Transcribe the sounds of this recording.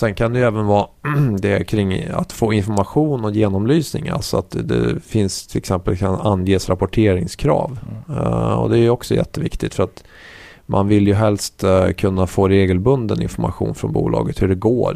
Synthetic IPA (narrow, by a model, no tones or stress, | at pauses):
sɛnkʰand̪ɛjɛːvənvɑːd̪ɛkʰɾɪŋːa̰t̪foːɪnfɔɾmaɧuːnɔjeːnɔmlyːsnɪŋa̰lsɔat̪d̪ɛ̰fɪnst̪ʰɪlɛksɛmpəlkʰananːjeːsɾapɔʈʰeːɾɪŋskʰɾɑ̰ːv | ɔ̰d̪ɛæɾjɔksɔjɛ̰t̪ːəvɪkt̪ɪt̪fœɾat̪ | mʔanvɪljɵɦɛlst̪kʰɵnːafoːɾeːɡəlbɵnd̪ənɪ̰nfɔɾmaɧṵːnfɾɔ̰nbṵːlʔɑ̰ːɡət̪hɵɖɛɡoːɾ